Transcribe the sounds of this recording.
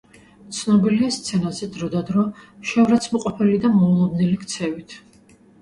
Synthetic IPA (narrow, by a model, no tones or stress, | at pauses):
t̪sʰnɔbiliast̪sʰɛnazɛd̪ɾɔd̪ad̪ɾɔʃɛvɾat̪sʰmɔqʼɔpʰɛlid̪amɔulˠɔd̪nɛlikʰt̪sʰɛvit̪ʰ